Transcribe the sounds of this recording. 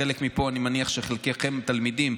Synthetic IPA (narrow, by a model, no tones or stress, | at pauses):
elekmipo̞animaniaχʃeχelkeχemt̪almid̪im